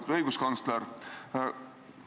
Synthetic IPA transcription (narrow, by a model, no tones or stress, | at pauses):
t̪ɤjɡuskɑnsleɾ